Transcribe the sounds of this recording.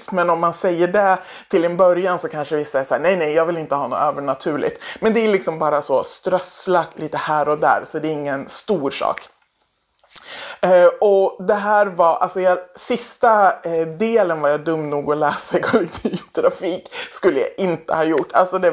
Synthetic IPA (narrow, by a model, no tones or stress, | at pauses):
smɛnɔmːansɛjːəɖɛ | t̪ʰɪlɛnbœɾjansɔkʰanʂəvɪsːaɛsæːɳɛjnɛjjɑːɡvɪlɪnt̪əhɑːno̰ːøːvəɳat̪ʰʉ̟ːɭɪ̰t̪mɛnd̪ɛælɪksɔmbɑːɾasɔst̪ɾœslat̪liːt̪əhæːɾɔd̪æ̰ːɾsɔd̪ɛɪŋːənst̪uːɾʂɑ̰ːk | ɔd̪ɛɦæːɾvaɾʔa̰lsɔjɑsɪst̪ad̪eːlənvaɾjɑd̪ɵmːnuːɡɔlɛːsaɛkʰɔɪkt̪ʰyt̪ʰɾafiːkskɵlːəja̰ʔɪnt̪ə̰hɑːjʊʈːa̰lsɔd̪ɛ